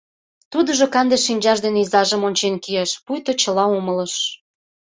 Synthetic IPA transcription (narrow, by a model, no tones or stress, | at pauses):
t̪ud̪ə̆ʒokɑnd̪eʃːinʲd͡ʑɑʃd̪eneizɑʒə̆monʲt͡ɕenkieʃpujt̪ot͡ɕəlɑumələ̆ʃ